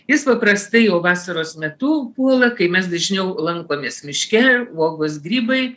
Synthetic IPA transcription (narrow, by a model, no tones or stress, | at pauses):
jɪspɐpɾɐst̪ɐɪjɛʊʋɑːsɐɾoːsmʲɛt̪ʊpuɔlˠɐkɐɪmʲɛsd̪ɐʒʲnʲɛʊlˠɐŋkoːmʲeːsmʲɪʃʲkʲɛʋoːɡos̬ɡɾʲiːbɐɪ